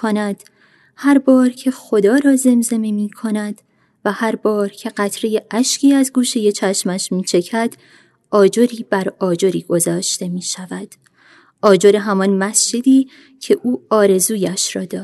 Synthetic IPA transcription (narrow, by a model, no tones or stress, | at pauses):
onæd̪̥ | hæɾbɒːɾcʰe̞xod̪ɒːɾɒːze̞mze̞memiːkʰo̞næd̪̥ | væhæɾbɒːɾcʰe̞ɢæt̪ʰɾe̞je̞ʔæʃcʰiːæzɡuːʃe̞je̞t͡ʃʰæʃmæʃmiːt͡ʃʰe̞cʰæd̪̥ | ʔɒːd͡ʒo̞ɾiːbæɾɒːd͡ʒo̞ɾiːɡ̥o̞zɒːʃt̪e̞miːʃævæd̪̥ | ʔɒːd͡ʒo̞ɾe̞ɦæmɒnmæsd͡ʒe̞d̪iː | cʰe̞ʔuːɒːɾe̞zuːjæʃɾɒːd̪ɒ̥ː